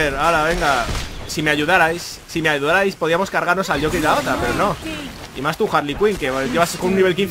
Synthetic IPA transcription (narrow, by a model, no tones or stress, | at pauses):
eɾalaβe̞ŋɡasime̞aʝuðaɾajsːime̞aʝuðaɾajspo̞ðiamo̞skaɾɣaɾno̞salʎo̞keaot̪ɾape̞ɾo̞no̞ | imast̪uxaɾlikwiŋke̞ʝeβaseskonunːiβe̞lk̬ĩnθ